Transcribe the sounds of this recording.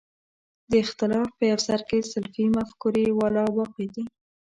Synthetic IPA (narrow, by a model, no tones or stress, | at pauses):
d̪əɪxt̪ɪlɑfpəjawsaɾkesɪlfimafkuɾewɑlɑbɑqed̪i